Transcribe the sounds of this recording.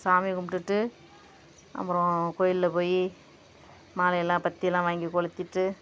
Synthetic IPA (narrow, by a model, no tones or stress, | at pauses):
saːmɪkʊmʈːɯʈːɯ | ʔɐ̰pɯɾõkoːjɪllɐpoːji | maːlɐjɛlːãːpɐt̪ːɪjɛlːãːʋaːŋɡikɔɭɯt̪ːɪʈːɯ